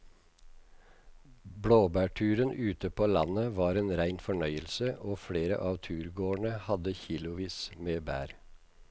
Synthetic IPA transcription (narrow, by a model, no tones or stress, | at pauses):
bɽoːbæːʈʰʉːɾənʔʉːt̪əpʰoːlɑ̰nəʋɑːɾeːnɾæɪnfɔɳœʏəlsəʔoːfɽeːɾə̰ʔɑːʋt̪ʰʉːɾɡoːɳəhɑd̪əçiːlʊʋiːsmeːbæ̰ːɾ